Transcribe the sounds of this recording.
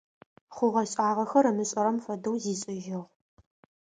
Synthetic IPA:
χʷʊʁɐɕʼaːʁɐxɐɾɐmɨɕʼɐɾɐmfɐdɐwziːɕʼɪʒɪʁ

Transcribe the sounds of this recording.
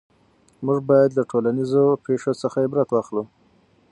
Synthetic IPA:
muʐbɑjad̪laʈʰolanizopeʂosəxajebɾat̪wɑxlu

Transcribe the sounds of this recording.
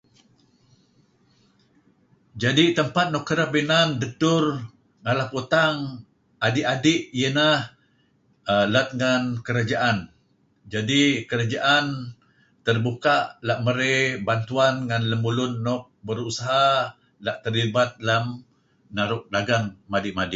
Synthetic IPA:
d͡ʒadit̪əmpat̪̚nɔʔkːəɾabinanduk̚t̪ʊr | ŋalahpot̪aŋ | adɪʔadɪʔjənah | əlat̪̚ŋankəɾad͡ʒaʔan | d͡ʒadikəɾad͡ʒaʔan | t̪ərbukaʔlaʔməɾebant̪uanŋanləmbulʊnːɔk̚bəɾusaɦa | laʔt̪ərlibat̪̚lam | naɾʊʔ̚daɡaŋmadɪʔmadɪʔ

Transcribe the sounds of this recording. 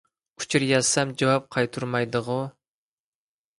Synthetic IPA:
u̥t͡ʃʰuɾjɑzsɛmd͡ʒɑwɑp̚qʰɑjt̪ʰuɾmɑjd̪əʁʊ

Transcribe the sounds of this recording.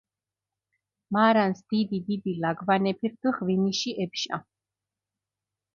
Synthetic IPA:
maɾansd̪̥id̪id̪id̪ilaɡvanɛpʰiɾd̪ʰuχviniʃiʔɛpʃa̰

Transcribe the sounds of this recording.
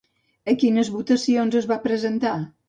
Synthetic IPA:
əkinəzβut̪əsionzəzβapɾəzənt̪a

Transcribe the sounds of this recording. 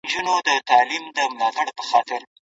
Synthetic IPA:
d͡ʒunod̪ət̪ɑlimd̪əmlɑt̪aɽpə̥xɑt̪ɪɾ

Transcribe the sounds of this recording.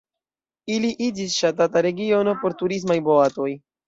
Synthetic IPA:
iliʔid͡ʒisʃatataɾe̞ɡio̞no̞po̞ɾtuɾis̬majbo̞ato̞j

